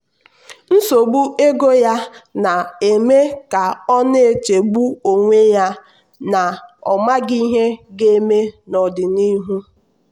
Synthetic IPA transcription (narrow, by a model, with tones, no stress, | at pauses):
n̩˦so˨ɡ͡bu˦e˦ɡo˦ja˦na˨e˨me˦ka˨ɔ˦ne˦˨e˨t͡ʃe˨ɡ͡bu˦o˨ŋʷe˦ja˦ | na˨ɔ˨ma˦ɡi˦ɦe˦ɡe˦me˦nɔ˨dɪ˨ni˦ɦu˦